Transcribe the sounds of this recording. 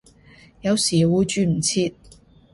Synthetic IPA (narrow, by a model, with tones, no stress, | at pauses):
jɐ˨˧wsiː˨˩wuː˨˧t͡ʃyː˧m̩˨˩t͡sʰiː˧t̪̚